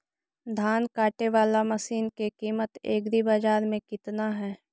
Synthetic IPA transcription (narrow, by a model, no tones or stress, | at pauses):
d̪ʱaːnkaːʈeʋaːlamɐsiːnkekiːmət̪eːɡɾibaːd͡ʒaːɾmẽkɪt̪naɦɛː